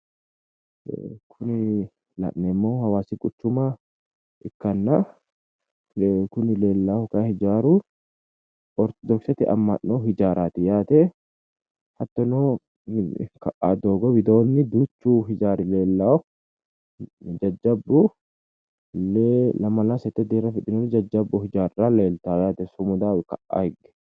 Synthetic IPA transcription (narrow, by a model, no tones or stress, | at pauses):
kʰʊnɪ | lɐ̰ʔnɛmːoːhɐwaːsɪkʼʊt͡ʃːʊmaː | ʔɪkːɐnːa | kʊnɪle̞ːlːaːhɔkahɪd͡ʒaːɾu | ʔɔɾt̪ɔd̪ɔksɐt̪ɪɐ̰mːɐ̰nːoːhɪd͡ʒaːɾʔaːt̪ɪjaːt̪eː | hɐt̪ːɔnoː | kɐʔaːd̪oːɡɔbɪd̪o̞ːnːɪd̪ut͡ʃːuːɦɪd͡ʒaːɾɪleːlːaː | d͡ʒɐd͡ʒːɐbːu | lːelɐmɐlaːsɛt̪ːɛd̪iːɾɐfɪᶑɪnɔnɪd͡ʒɐd͡ʒːɐbːɔhɪd͡ʒaːɾraleːlt̪aːjaːt̪ɛsʊmʊd̪aːwɛkɐʔa̰ːhɛɡɛ̥